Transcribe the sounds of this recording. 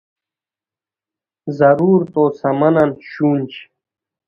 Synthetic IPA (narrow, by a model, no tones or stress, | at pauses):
zɐɾuːɾt̪oːsɐmɐnanɕuːnʲt͡ɕ